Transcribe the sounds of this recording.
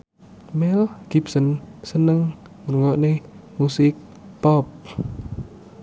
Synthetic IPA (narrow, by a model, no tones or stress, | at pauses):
mɛlɡ̥ipsənsənəŋ | murŋɔʔnehmusɪk̚ | pɔp̚